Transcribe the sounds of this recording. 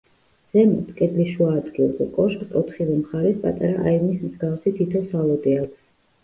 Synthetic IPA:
z̥ɛmɔ̰t̪ʰkʼɛd̪liʃuaːd̪ɡilˠzɛ̰kʼɔʃqʼt̪ʼɔt̪ʰχivɛmχaɾɛspʼa̰t̪ʼaɾaʔaivnismzɡafsit̪ʰit̪ʰɔsalˠɔd̪ʼiak

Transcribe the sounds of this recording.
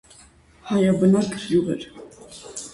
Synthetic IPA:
hɑjɑbənɑkʰɾjuʁɛ̰ɾ

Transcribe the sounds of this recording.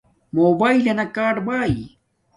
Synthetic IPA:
moːbaːilenɐkaːɖbaːi

